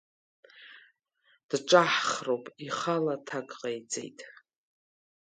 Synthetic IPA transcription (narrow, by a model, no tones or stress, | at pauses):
d̥ʈ͡ʂʼaħχrowpʼiχalatʰaɡʼqʼejt͡sʼḛjtʼ